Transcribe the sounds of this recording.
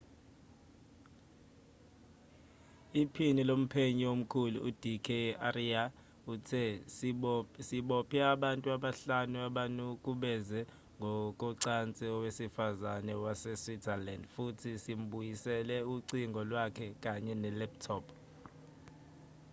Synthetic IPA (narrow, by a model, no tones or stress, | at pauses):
ipʰinilom̩pʰeɲiwom̩kʰulṵʔud̥ʱikʰɛaria | utʰɛ | siɓɔpʰiaɓantʼuaɓaɬanuaɓanukʼuɓɛzɛ | ŋɡʱɔkʼɔǀant͡sʼɛɔwesifazanɛwasɛswitʰalandfutʰisim̩ɓujisɛlɛuǀiŋɡʱɔlwakʰɛkʼaɲɛnɛlɛptʰɔpʰ